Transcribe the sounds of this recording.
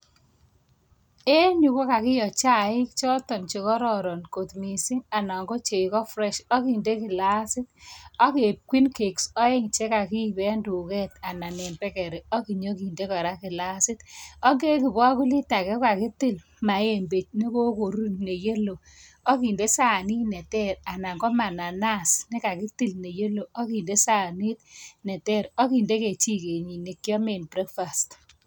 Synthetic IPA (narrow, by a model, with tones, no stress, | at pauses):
e˦ɲu˨ko˦ka˨kɪ˦jɔ˨t͡ʃa˦˨ɪ˦kt͡ʃɔ˦tɔ˨nt͡ʃe˨kɔ˦ɾɔ˨ɾɔ˨nko˨tmi˨sɪ˦ŋa˨na˨ŋɡo˦t͡ʃe˨i˨kɔ˦fɾɛ˦˨ʃɔ˦ki˨nde˦kɪ˨la˦sɪ˦t̚ɔ˦ke˨p̚kwi˦nke˨ksɔ˦e˦ŋt͡ʃe˦ka˨ki˦˨bɛ˦ndu˨kɛ˦ta˨na˨ne˨mbɛ˦kɛ˨ɾe˨ɔ˦ki˨ɲo˦ki˨nde˦ka˨ɾa˦kɪ˨la˦sɪ˦tɔ˦ŋɡe˦ki˨bɔ˦ku˦li˦ta˨kɛ˦ka˨kɪ˦tɪ˦l | ma˨je˨mbe˨t͡ʃni˦ko˦ko˨ɾu˦ne˨je˦lo˨ | ɔ˦ki˨nde˦sa˦˨ni˦nɛ˨tɛ˦ɾa˨na˨ŋɡɔ˦ma˨na˨na˦˨sni˦ka˨ki˦ti˦lne˨je˦lo˨ɔ˦ki˨nde˦sa˦˨ni˦t̚nɛ˨tɛ˦˨ɾɔ˦ki˨nde˦ke˨t͡ʃi˦ke˨ɲi˨ni˨kjɔ˦me˨nbɾɛ˦kfa˨st